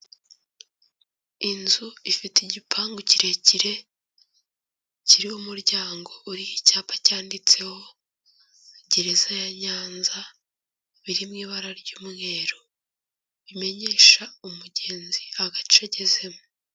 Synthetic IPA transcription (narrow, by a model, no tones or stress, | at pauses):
inzuifitiɟipʰaːŋɡuciɾe̞ciɾe̞ | ciɾihumuɾɟaːŋɡo̞ʔuɾihicaːpḁcaːndit͡se̞ho̞ | ɟiɾezajaɲaːnza | βiɾimŋiːβaɾaɾɟuːmŋe̞ːɾo | βime̞ɲe̞ːʃaumuɟe̞ːnziaɡat͡ʃeɟeze̞mo